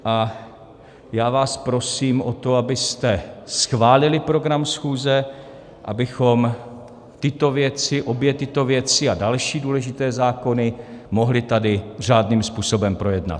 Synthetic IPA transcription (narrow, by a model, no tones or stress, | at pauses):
ʔa | jaːvaːspɾo̞siːmʔot̪o̞abɪst̪ɛsxvaːlɪlɪpɾo̞ɡɾamsxuːzɛ | ʔa̰bɪxo̞m | t̪ɪt̪ovjɛt͡sɪʔo̞bjɛt̪ɪt̪o̞vjɛt͡sɪadalʃiːduːlɛʒɪt̪ɛːzaːko̞nɪmo̞ɦlɪt̪adɪr̝aːdniːmspuːso̞bɛmpɾo̞jɛdna̰t̪̚